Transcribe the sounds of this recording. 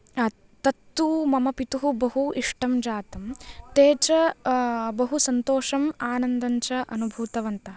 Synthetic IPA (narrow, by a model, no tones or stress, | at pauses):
t̪ɐt̪ːumɐmɐpit̪uɦubɐɦuiʂʈɐmd͡ʒaːt̪ɐmt̪eːt͡ʃɐ | bɐɦusɐnt̪oːʂɐmaːnɐnd̪ɐɲt͡ʃɐʔɐnubʱuːt̪ɐʋɐnt̪ɐ